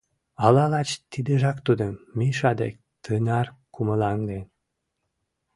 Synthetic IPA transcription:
ɑlɑlɑt͡ɕt̪id̪əʒɑkt̪ud̪əmmiʃɑd̪ḛk̚ | t̪ənɑrkuməlɑnd̪en

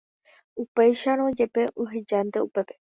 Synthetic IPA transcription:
upejʃaɾ̃õd͡ʒe̞pe̞ʔoɦed͡ʒand̪e̞upe̞pe̞̥

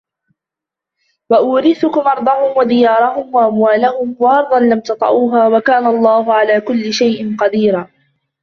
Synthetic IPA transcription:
waʔʊːɾɪθʊkʊmʔɑɾˤd̪ˤɑhʊmwad̪ɪjɑːɾˤɑhʊmwaʔamwaːlaɦʊmwaʔɑɾˤd̪ˤɑnlamt̪ɑt̪ˤɑ̰ʕuːɦaːwakaːnaɑlˤːɑːhʊʕalaːkʊlːɪʃajʔɪnqɑd̪iːɾaː

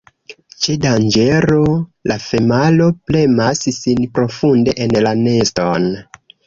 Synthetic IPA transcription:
t͡ʃedand͡ʒe̞ɾo̞lafe̞malo̞ple̞masisinpɾo̞funde̞ʔenlane̞sto̞n

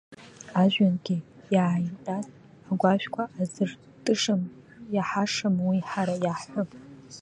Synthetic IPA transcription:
aʒᶣanɡʲi | jaʕjimʈ͡ʂʼaz | aɡʷaʃᶣkʷʰaʔːzɨr | tʼɨʂɨm | jaħaʂɨmwiħaɾajaħħʷʊpʼ

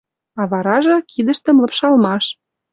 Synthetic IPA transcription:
ɑβɑɾɑʒɤ̆kid̪ə̆ʃt̪ə̆mlɤ̆pʃɑlmɑʃ

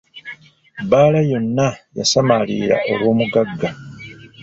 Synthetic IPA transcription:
baːlajo̞nːaja̰samaliːɾa̰ʔo̞̰lwo̞ːmuɡaɡːa

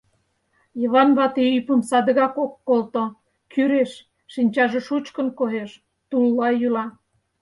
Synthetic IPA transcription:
jəβɑnβɑt̪eypəmsɑd̪ə̆ɣɑkokːolt̪o | kyɾeʃː | inʲt͡ɕɑʒeʃut͡ɕkə̆nkoɦeʃ | t̪ulːɑjylɑ

